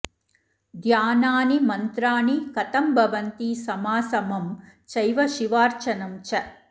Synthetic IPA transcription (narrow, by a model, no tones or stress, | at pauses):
d̪ʱjaːnaːnimɐnt̪ɾaːnikɐt̪ɐmbʱɐʋɐnt̪isɐmaːsɐmɐmt͡ʃɐjʋɐʃiʋaːɾt͡ʃɐnɐmt͡ʃɐ